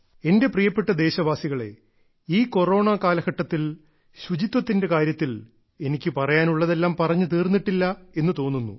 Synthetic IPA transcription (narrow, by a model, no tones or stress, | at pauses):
e̞nde̞prijɐpːe̞ʈːɐd̪e̞ːɕɐʋaːsiɣɐɭe̞̰ | iːko̞ro̞ːɳaːkaːlɐɣɐʈːɐt̪ːil | ɕud͡ʑit̪wɐt̪ːinde̞kaːɾjɐt̪ːil | e̞nikʲːɨpɐrɐjaːnuɭːɐðe̞lːaːmpɐrɐɲːɨt̪iːrnːiʈːilːɐe̞nːɨt̪o̞ːnːunːṵ